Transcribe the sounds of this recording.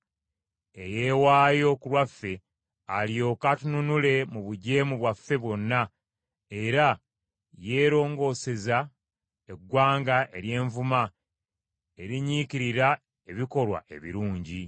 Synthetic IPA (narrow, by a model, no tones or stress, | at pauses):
eje̞ːwaːjo̞kulwafːe̞ | alio̞katununule̞muβuɟe̞ːmuβwafːe̞βwo̞nːa | e̞ɾa | je̞ːɾo̞ːŋɡo̞ːse̞za | e̞ɡːwaːŋɡaʔe̞ɾje̞ːɱvuma | e̞ɾiɲikiɾiɾa | e̞βiko̞lwa̰ʔe̞̰βḭɾuːɲɟi